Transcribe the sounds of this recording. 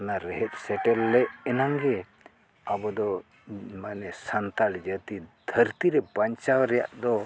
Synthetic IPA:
naɾɛɦɛt̪̚sɛʈɛlːɛɛnaŋɡɛ | abɔd̪ɔ | manɛsant̪aɽd͡ʒət̪id̪̥ʱəɾt̪iɾɛpaɲt͡ʃawɾɛja̰ʔd̪ɔ

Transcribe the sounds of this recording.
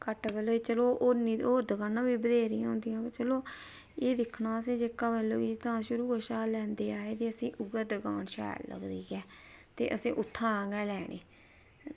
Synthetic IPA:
kəʈbɛːloːt͡ʃəloːʔonĩːoːd̪əɡaːnãːbiːbəd̪eːɾiːãːʊ̃ːnd̪ijãːbat͡ʃəloː | eːd̪ɪkʰnaːəsĩːd͡ʒekːaːbɛːlːoːit̪ãːʃʊɾuːəʃaːlɛ̃ːnd̪eːaːeːt̪eːəsĩːʔʊɡəd̪əɡaːnʃɛ̰ːllə̰ɡd̪iːɡɛːt̪ḛːʔəsĩːʔʊt̪ʰːãːɡɛːlɛːɽḛː

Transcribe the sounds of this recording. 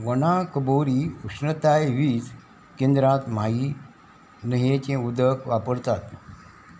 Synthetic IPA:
ʋənãkəboɾiukʂɳət̪ajʋiːs | kẽnd̪ɾãt̪m̤ai | nəɦẽt͡ɕẽud̪əkʰʋapəɾt̪at̪

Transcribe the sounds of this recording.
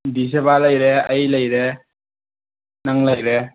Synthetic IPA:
disebaləjɾeəjləjɾe | naŋlajɾe

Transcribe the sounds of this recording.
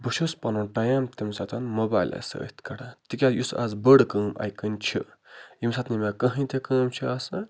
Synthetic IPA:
bəʃuspɐnɐʈɐjamt̪imsat̪ʰɐnmoba̰jla̰sɐ̰t̪ʰkɐɽat̪ikʲajusa̰zbəɽkəːma̰jkənt͡ʃʰḭimsat̪ʰnimʲakɐɦĩt̪ekəːmt͡ʃʰiasɐ

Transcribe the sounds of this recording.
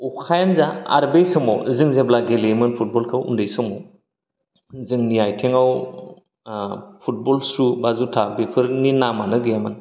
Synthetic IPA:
ukʰajanzaa̰ɾbejsɔmɔ̰wzɯŋzeblaɡelemɯnpʰut̚bɔlkʰɯwṵndɯjsɔmɔw | zɯŋnijajtʰeŋaw | pʰut̚bɔlsɾubazutʰabepʰɯɾninamanɯɡɯjamɯn

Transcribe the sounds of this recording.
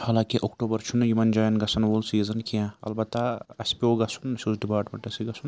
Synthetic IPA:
haːlãːkiʔokʈoːbɐɾt͡ʃʰunjimɐnd͡ʒaːjɐnɡɐsɐnʋoːlsiːzɐnkijãːɐ̰lbɐt̪ːaɐsʲpioːɡɐsunɐsʲuzɖipaːɾʈmḛɳʈɐsiɡɐsʰun

